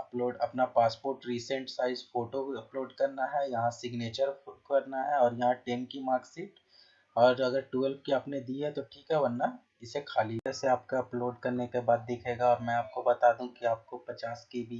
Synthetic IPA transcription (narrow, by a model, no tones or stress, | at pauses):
ɐploːɖɐpnapaːspoːɾʈɾiːsə̃ɳʈsaːɪzfoːʈoɐploːɖkɐɾnaɦɛjɐɦãsɪɡneːt͡ʃəɾfʊʈkɐɾnaɦɛɔːɾjɐɦãʈeːmkimaːksiːʈ | ɔːɾɐɡəɾʈuːəlp̚kiaːpned̪iːɦɛt̪oʈʰiːkɦɛbɐnːa | ɪsekʰaːliɛseaːpkoɐploːɖkɐɾnekebaːd̪ːɪkʰeːɡaɔːɾmɛ̃aːp̚kobɐt̪aːd̪ũkiaːp̚kopɐt͡ʃaːskibʱi